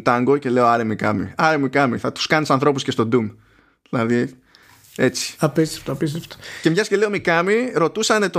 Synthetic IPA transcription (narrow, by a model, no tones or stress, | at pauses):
t̪ɐŋɡoce̞leoɐɾemikɐmḭɐɾemikɐmḭθɐt̪u̥skɐnisɐnθɾo̞pusce̞st̪o̞d̪um | ðilɐði | e̞t͡si̥ɐpist̪e̥ft̪oɐpist̪eft̪o̥cce̞mʝɐsce̞le̞omikɐmiɾo̞t̪usɐne̞t̪o